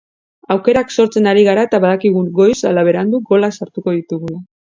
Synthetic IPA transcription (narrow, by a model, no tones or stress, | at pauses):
awke̞ɾakso̞ɾt͡se̞naɾiɣaɾaet̪aβaðakiɣ̞uŋɡo̞jsalaβ̞e̞ɾand̪uɡo̞lasaɾt̪uko̞ðit̪uɣula